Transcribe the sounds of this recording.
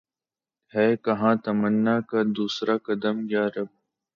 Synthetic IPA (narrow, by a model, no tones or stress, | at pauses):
hɛːkɐɦãːt̪ɐmənːaːkad̪uːsɾʔaːkɐd̪əmjaːɾɐb̚